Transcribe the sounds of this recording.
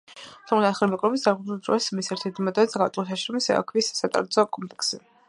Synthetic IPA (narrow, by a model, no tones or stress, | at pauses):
t̪ʰɔmlat̪χɛlɾmɛkʼɾɔbisd̪aɾʁuuld̪ɾɔ̰smisɛɾt̪ʰɛɾt̪ʰmad̪at̪sɡat̪ʼlɔsʰaʃɾɔmisɛ̰a̰kʰvissat̪ʼa̰ɾt̪sʰɔkʼɔmpʼlɛksi